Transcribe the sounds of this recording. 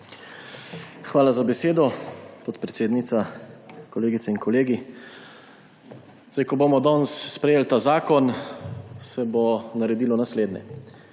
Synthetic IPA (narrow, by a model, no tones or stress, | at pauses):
xʋaːlazabɛseːd̪ɔpɔt̪pɾɛt̪seːd̪nit̪sakɔleːɡit̪sɛinkɔleːɡi | zd̪ajkɔboːmɔd̪ɔnsːpɾɛjeːlt̪aːzaːkɔn | sɛbonaɾɛd̪iːlɔnasleːd̪nʲɛ̰